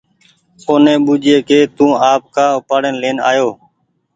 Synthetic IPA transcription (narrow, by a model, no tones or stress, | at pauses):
koːnẽːɓuːd͡ʒeːkeːt̪ũːaːp̚kãːʊpaːɽənleːna̰ːjoː